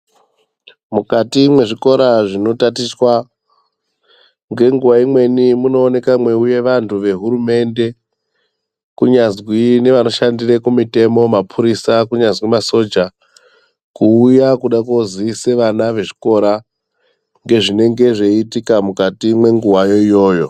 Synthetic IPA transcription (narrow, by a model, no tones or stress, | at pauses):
mukatimwe̞ʐiko̞ɾaʐino̞tatiswa | ŋɡe̞ŋɡuwaimwe̞nimuno̞ːne̞kamwe̞uje̞ʋantʰuʋe̞ɦuɾume̞nde̞ | kuɲazwine̞ʋano̞ʃandirekumite̞mo̞mapʰuɾisakuɲazwimaso̞d͡ʒa | kuːjakuɗakoziise̞ʋanaʋe̞ʐi̥ko̞ɾa | ŋɡe̞ʐine̞ŋɡe̞ʐe̞itikamukatimwe̞ŋɡuwajo̞ijo̞ːjo̞